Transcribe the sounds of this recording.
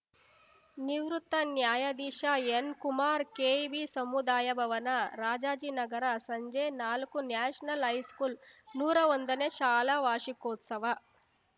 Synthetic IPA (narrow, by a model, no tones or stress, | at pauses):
niwɾut̪ːɐnjaːjɐd̪iːʂaːenkumaːɾkeːbiːsɐmud̪aːjɐbʱɐʋɐnɐɾaːd͡ʒaːd͡ʒinɐɡɐɾɐsɐɲd͡ʒeːnaːlukunjaːʂɐnɐlɦɐjskuːlnuːɾɐʋond̪ɐneːʃaːlɐʋaːʂikɔːt̪sɐʋɐ